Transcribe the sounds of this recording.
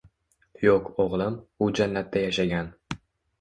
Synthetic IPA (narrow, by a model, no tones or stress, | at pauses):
jokoʁlˠɪmʊd͡ʒanːat̪ːajaʃaɡʲan